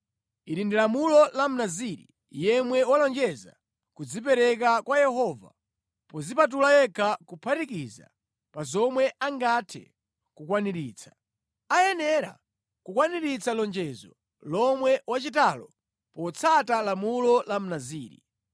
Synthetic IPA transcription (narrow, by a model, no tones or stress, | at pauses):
iɾindilamulɔlam̩naziɾḭ | jɛmwɛwalɔnd͡ʒɛza̰ | kud͡zip̬ɛɾɛkakwajɛhɔːva̰ | pɔzipat̬ulajɛkʰakupʰatikiza̰ | pazɔmwɛaŋɡatʰɛ̰ | kukwaniɾiːt͡sʰḁ | ajɛnɛɾa̰ | kukwaniɾit͡salɔnd͡ʒɛzɔ | lɔmwɛwat͡ʃitalɔ | pɔt͡sʰatalamulɔlam̩naziːɾḭ